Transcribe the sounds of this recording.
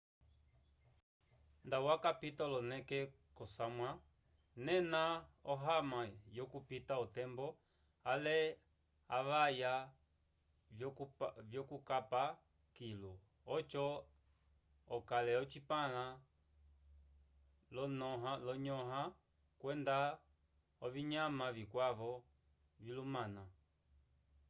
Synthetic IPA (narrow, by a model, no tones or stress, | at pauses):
nd̪awakapit̪ɔlɔnɛkɛ | kɔsamwa | nɛnaɔɦamajɔkupitaɔt̪ɛmbɔ | alɛ | aʋaja | vjɔkukapa | kilu | ɔt͡ʃɔ | ɔkalɛɔt͡ʃipala | lɔnɦalɔɲɔɦã | kwɛnd̪a | ɔviɲãmãvikwaʋɔ | vilumãna